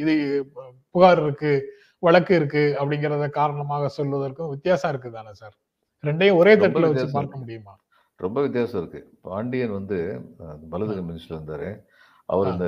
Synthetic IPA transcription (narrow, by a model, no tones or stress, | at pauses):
ɪðɯ | pʊɣaːɾɪɾɯkːɯ | ʋɐɭɐkːɯɪɾɯkːɯɐpːɐɽɪŋɡɪɾɐðɐkaːɾɐɳɐmaːɣɐsɔlʋɐðɐɾkːʊ̃ʋɪt̪ːjaːsɐːɪɾɯk̬ːɯt̪aːnɐsaːɾ | ɾɛɳɖɐjʊ̃ɔɾeːt̪ɐʈːɯlʋɐt͡ʃːɯpaːɾkɐmʊɽɪjɯmaː | ɾɔmbɐʋɪt̪ːɪjaːsɐɪɾɯkːɯpaːɳɖɪjɐnʋɐnd̪ɯbɐlɐðɯɣɐmɪnɪsʈlɐɾɯnd̪aːɾḛ̃ː | ʔɐ̰ʋɐɾɪnd̪ɐ